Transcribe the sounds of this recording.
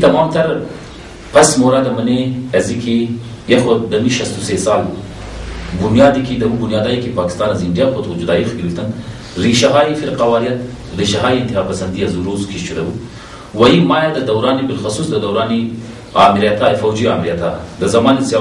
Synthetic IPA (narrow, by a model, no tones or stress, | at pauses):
t̪ɐmɑːmt̪ɐɾ | pasmoɾad̪əməneɐzikʰe | jexod̪ɐmiʃast̪usesɑːl | bʊnjɑːd̪ikid̪ɐwubʊnjɑːd̪ajikipɑːkɪ̥st̪ɑːnɐzinjaxot̪ud͡ʒud̪ɑːixkilit̪ɐn | ɾiʃaɦɑːifɪɾqawɑːɾijɐt̪ | ɾiʃaɦɑːiɪnt̪ɪɦɑːpɐsɐnd̪iɐzuɾozkʰiʃt͡ʃud̪ɐwu | wajimɑjad̪əd̪awɾɑːnibɪlxʊsusd̪əd̪awɾɑːni | ɑ̰ːmɪɾijat̪afawd͡ʒiɑ̰ːmɪɾijat̪a̰d̪əzɐmɑːninsjɑ